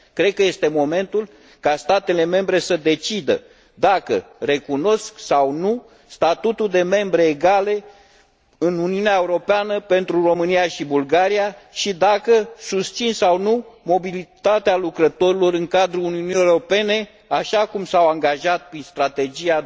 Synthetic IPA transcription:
kɾe̞d̪̚kəje̞st̪e̞mo̞me̞nt̪ul | kast̪at̪e̞le̞me̞mbɾe̞səd̪e̞t͡ʃid̪ə | d̪akə̰re̞kuno̞sksawnu | st̪at̪ut̪uld̪e̞me̞mbɾe̞ːɡale̞ | ɨnuniuneaeuɾo̞peanəpe̞nt̪ɾuro̞mɨnijaʃibulɡaɾiaʃid̪akəsust̪sinsawnumo̞bilit̪at̪ealukɾət̪o̞ɾilo̞ɾɨŋkad̪ɾuuniunieɾope̞ne̞ | aʃakumsawaŋɡaʒat̪̚pɾinst̪ɾat̪e̞d͡ʒia

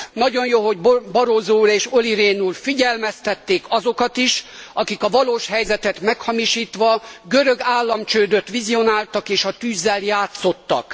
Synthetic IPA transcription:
nɒɟo̞njoːɦo̞ɟbbɒɾozoːɾeːʃo̞liɾeːnuːlfiɟɛlmɛst̪ɛt̪ːeːkɒzo̞kɒt̪iʃɒkikɒvɒloːʃhɛjzɛt̪ɛt̪mɛkhɒmiʃiːt̪ʋɒɡøɾø̞ɡaːlːɒmt͡ʃøːd̪øt̪ʋizio̞naːlt̪ɒkeːʃɒt̪yːzːɛljaːt̪so̞t̪ːɒ̰k

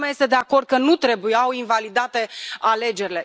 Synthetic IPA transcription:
majest̪e̞d̪e̞ako̞rd̪̚kənut̪ɾe̞bujawinvalid̪at̪e̞ale̞d͡ʒe̞ɾile̞

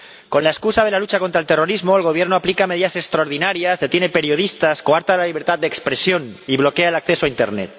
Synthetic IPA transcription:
ko̞nlaeskusaðe̞lalut͡ʃako̞nt̪ɾaelt̪e̞ro̞ɾizmo̞elɣo̞β̞je̞ɾnoaplikame̞ð̞iðase̞kst̪ɾaoɾðinaɾjazðe̞t̪jenepe̞ɾjo̞ð̞ist̪askoaɾt̪alaliβ̞e̞ɾt̪at̪d̪ekspɾe̞sjo̞niβlo̞keaelakθe̞soaint̪e̞̰ɾnḛt̪

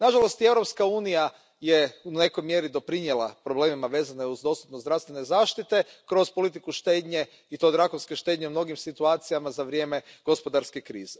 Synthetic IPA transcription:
naʒalˠo̞st̪ie̞wɾo̞pskauːnija | jeune̞kojmjeɾid̪o̞pɾinjelˠa̰pɾo̞ble̞ːmimaʋe̞ːzaneuzd̪o̞st̪upnozd̪ɾaʋst̪ʋenezaːʃt̪it̪e̞kɾo̞spo̞lit̪ikuʃt̪e̞ːd̪ɲe̞ | it̪o̞ːd̪ɾaxunskeʃt̪e̞d̪ɲeumno̞ɡimsit̪uaːt̪sijamazaʋɾje̞ːme̞ɡ̥o̞spo̞d̪aɾske̞kɾḭːze

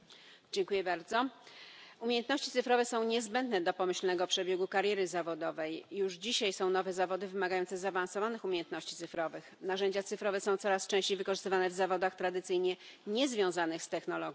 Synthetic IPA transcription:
d͡ʑɛŋkujɛbaɾd̪zɔ | umʲejɛnt̪nɔɕt͡ɕit̪ɘfɾɔvɛsɔ̃w̃ɲɛzbɛnd̪nɛd̪ɔpɔmɘɕlnɛɡɔpʂɛbʲjɛɡukaɾjɛɾɘzavɔd̪ɔvɛjːuʐd͡ʑiɕajsɔ̃w̃nɔvɛzavɔd̪ɘvɘmaɡajɔnt̪sɛzaːvansɔvanɘxumʲejɛnt̪nɔɕt͡ɕi̥t̪sɘfɾɔvɘxnaʐɛɲd͡ʑat̪sɘfɾɔvɛsɔ̃w̃t̪sɔɾast͡ʂɛ̃ɕt͡ɕejvɘkɔʐɘst̪ɘvanɛvzavɔd̪axt̪ɾad̪ɘt̪sɘjɲɛ | ɲɛzvʲjɔ̃w̃zanɘxst̪ɛxnɔlɔɡʲj̃

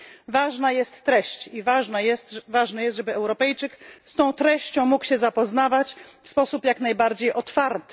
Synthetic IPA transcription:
vaʐnajɛst̪ːɾɛɕt͡ɕivaʐnajɛst̪vaʐnɛjɛst̪ʐɛbɘɛwɾɔpɛjt͡ʂɘkst̪ɔ̃w̃t̪ɾɛɕt͡ɕɔ̃w̃mukwɕɛzapɔznavat͡ɕfspɔsupjaknajbaɾd͡ʑejʔɔt̪faɾt̪

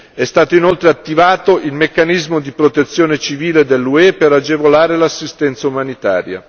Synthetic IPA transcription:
ɛst̪aːt̪oinolt̪ɾeat̪ːivaːt̪oʔilmekːanizmod̪ipɾot̪et̪sːjoːnet͡ʃiviːled̪elːuɛpeɾad͡ʒevolaːɾelasːist̪ɛnt̪saumanit̪a̰ːɾja̰

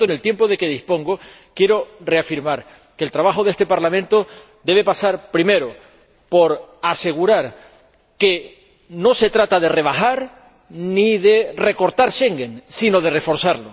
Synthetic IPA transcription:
oenelt̪je̞mpo̞ðe̞keðispo̞ŋɡo̞kje̞ɾo̞re̞afiɾmaɾ | keːlt̪ɾaβ̞axo̞ðest̪epaɾlamẽnt̪o̞ | d̪e̞β̞e̞pasaɾpɾime̞ɾo | po̞ɾase̞ɣuɾaɾ | ke | no̞se̞t̪ɾat̪aðe̞re̞β̞axaɾ | niðere̞ko̞ɾt̪aɾʃe̞ŋɡensino̞ð̞e̞re̞fo̞ɾsaɾlo

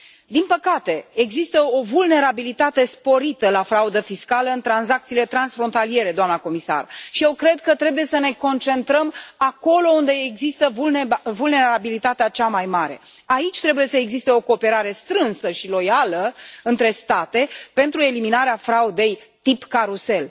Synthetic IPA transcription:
d̪inpəkat̪e̞ːɡzist̪əo̞vulne̞ɾabilit̪at̪e̞spo̞ɾit̪əlafɾaud̪əfiskaləɨnt̪ɾanzak̚t̪siːlet̪ɾansfɾo̞nt̪alije̞ɾe̞d̪oamnəko̞misa̰rʃije̞wkɾe̞d̪̚kət̪ɾe̞buje̞səne̞ko̞nt͡ʃe̞nt̪ɾəmako̞lo̞und̪e̞ːɡzist̪əvulvulne̞ɾabilit̪at̪eat͡ʃamajmaɾe̞̰ | ait͡ʃʲt̪ɾe̞buje̞səeɡzist̪e̞o̞ko̞ːpeɾaɾe̞st̪ɾɨnsəʃilo̞jaləɨnt̪ɾe̞st̪at̪e̞pe̞nt̪ɾue̞liminaɾeafɾaud̪e̞j | t̪ipkaɾuse̞l

